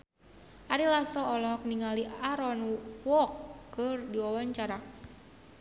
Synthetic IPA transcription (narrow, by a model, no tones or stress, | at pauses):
ʔaɾilasɔːlɔɦɔk̚niŋaliʔaɾɔnwɔkːɨrdiwawaɲt͡ʃaɾa